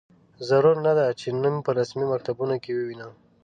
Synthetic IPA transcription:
zaɾuɾnad̪at͡ʃenənpəɾasmimak̚t̪abunokewəwina

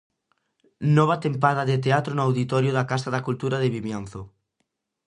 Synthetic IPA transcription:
nɔβ̞at̪empaðaðet̪eat̪ɾonʊawðit̪ɔɾjoðakast̪aðakult̪uɾaðeβimjãn̟θo

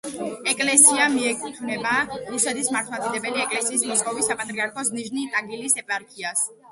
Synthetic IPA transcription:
ɛkʼlɛsiamiɛkʼuχʰʼnɛbaɾusɛt̪ʰismaɾt̪ʰmat̪ʼid̪ɛbɛliɛkʼlɛsiːsmɔskʼɔvisːapʼat̪ʼɾiaɾkʰɔsniʒnit̪ʼaɡilisɛpʼaɾkʰias

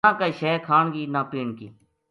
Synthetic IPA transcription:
ãːkaːʃɛːkʰaːɳɡiːnãːpiːɳkḭː

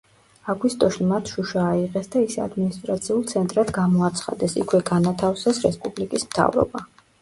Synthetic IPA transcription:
aɡwist̪ʼɔʃimat̪ʰʃuʃaːiʁɛsd̪aisa̰d̪minist̪ʼɾat̪sʰiulˠt̪sʰɛnt̪ʼɾad̪ɡamɔat̪sʰχa̰d̪ɛsḭkʰwɛɡanat̪ʰafsɛsɾɛspʼublikʼismt̪ʰa̰vɾɔ̰ba

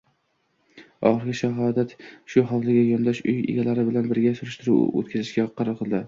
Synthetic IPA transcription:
ɒ̰χɨɾɡʲɪʃaɦɒd̪at̪ʃʊɦɑwlɪɡʲajɒnd̪ɒʃʊjɪ̰ɡʲalaɾɪbɪlanbɪɾɡʲasʊɾɪʃt̪ɪɾṵo̰t̪̚kʲʰazɪʃɡʲaqʰɑɾɑɾqʰɨlˠd̪ɪ

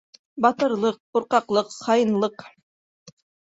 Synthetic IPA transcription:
bɑt̪ɤ̆ɾlˠɤq̚quɾqɑqlˠɤqχɑjɤnlˠɤq

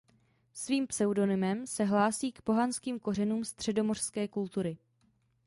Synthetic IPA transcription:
sviːmpsɛwdo̞nɪmɛmsɛɦlaːsiːkpo̞ɦanskiːmko̞r̝ɛnuːmst̪r̝̥ɛdo̞mo̞r̥skɛːkult̪uɾɪ

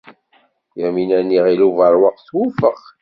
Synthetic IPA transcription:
jæminænːiʁiluvəɾˤwəqθwufəχ

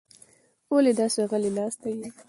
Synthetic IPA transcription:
oled̪ɑsoɣəlenɑst̪aji

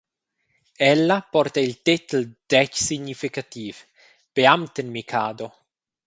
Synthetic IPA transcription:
ɛlːapɔɾt̪ailt̪it̪ld̪̥ɛt͡ʃsiɲifikat̪iːv | peamt̪enmikʰaːd̪o

